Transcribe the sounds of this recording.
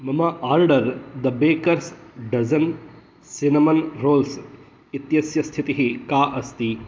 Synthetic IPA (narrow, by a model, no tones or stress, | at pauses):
mɐmaʔaːɾɖɐɾd̪ɐbeːkɐɾsɖɐzɐn | sinɐmɐnɾoːls | it̪jɐsjɐst̪ʰit̪iɦikaːʔɐst̪i